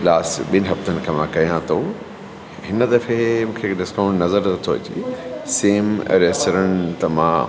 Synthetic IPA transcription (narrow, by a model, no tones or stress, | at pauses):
laːsɓɪnɦɐft̪ʰɐnkɐmãːkɐjãt̪ʰoː | ɦɪnɐt̪ɐfemũkʰeɖɪskawnnɐzɐɾt̪ɐt̪ʰoːt͡ʃḭseːmɾesɐɾɐnt̪ɐmã̰